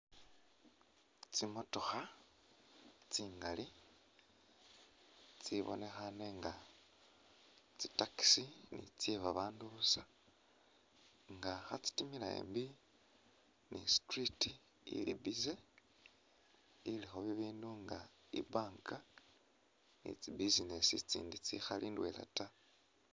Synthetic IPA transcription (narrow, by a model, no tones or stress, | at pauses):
t͡simo̞to̞xa | t͡siːŋɡali | t͡siβo̞̰ne̞xaneŋɡa | t͡si̥taki̥sinḭt͡seβaβaːnduβusa | ŋɡaxat͡si̥timilaḛmbi | nistriti | ḭlibize | ilixoβiβiːnduŋɡa | ḭbaːŋka | nḭt͡sibizinesit͡sḭːndit͡sixaliːndwḛla̰ta